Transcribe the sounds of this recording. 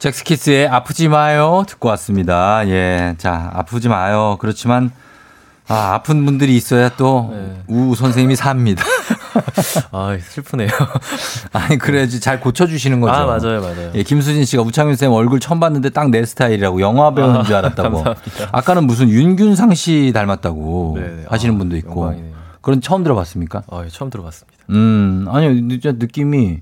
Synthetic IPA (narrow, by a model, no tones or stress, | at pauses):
t͡ɕeks͈ʰɯ̥kʰes͈ʰɯe̞apʰɯd͡ʑimajotɯ̥k̚k͈ʌwas͈ɯmɲidaje̞t͡ɕa̰a̰pʰɯd͡ʑimajokɯɾʌt͡ɕʰiman | aa̰pʰɯnbundɯɾiːs͈ʌjat͈ouːsʰʌns̬ʰeŋmisʰamɲida | asʰɯɭpʰunejo | aɲikɯɾed͡ʑit͡ɕaɭkot͡ɕʰʌd͡ʑuɕʰinɯnɡʌd͡ʑad͡ʑajoaajoje̞kims̬ʰud͡ʑinɕ͈ʰiɡamut͡ɕʰaŋjins̬ʰeimʌɭɡɯɭt͡ɕʰʌʌmbanːɯnde̞t͈aŋnesʰɯ̥tʰaiɾiɾaɡojʌŋɦwabend͡ʑiaɾat̚t͈aɡoa̰k͈anɯnmus̬ʰɯnjunɡjunsʰaŋɕʰitaɭmat̚t͈aɡoehaɕ̬ʰinɯnbundoik͈okɯɾʌndet͡ɕʰʌɯmdɯɾʌɡas͈ɯmɲik͈aajt͡ɕʰʌmdɯɾʌɡas͈ɯ̥mi̥aɯaɲioit͡ɕnɯk͈imi